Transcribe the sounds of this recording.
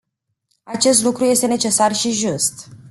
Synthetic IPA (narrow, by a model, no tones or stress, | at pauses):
at͡ʃe̞st̪lukɾuje̞st̪e̞ne̞t͡ʃe̞sarʃiʒust̪